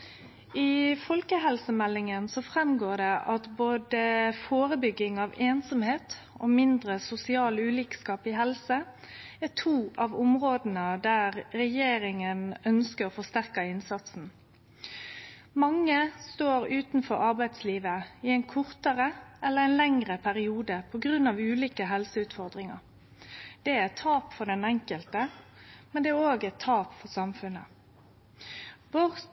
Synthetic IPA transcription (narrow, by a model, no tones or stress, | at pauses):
ɪfɔlkəɦɛlsəmɛlːɪŋənsɔfʁɛmɡoːd̪ɛʔɑt̪boːd̪əfoːʁəbʏɡːɪŋɑʋeːnsɔmheːt̪ | ɔmɪnd̪ʁəsʊsɪɑːlʉːliːkskɑːpɪɦɛlsə | æt̪ʰuːʔɑʋʊmʁoːd̪n̩əd̪æʁɾɛjeːɾɪŋənœnskəɾɔfɔst̪æʁkɑɪnsɑt̪sn̩ | mɑŋːəst̪oːɾʉːt̪n̩fɔɾɑɾbæɪd̪sliːʋəɪæɪnkʰʊɾt̪əʁəʔɛlːəʁɛɪnlɛŋʁəpʰæʁɪuːd̪əpʰɔɡʁʉnːɑʋʉːliːkəɦɛlsəʉːt̪fɔʁd̪ʁɪŋɑ̰ | d̪̥ɛæt̪ʰɑːpfɔd̪ɛnɛŋkəlt̪əmɛnd̪ɛæɾoːɡɛt̪ʰːɑːpfɔsɑmfʉnə̰ | ʋɔʁ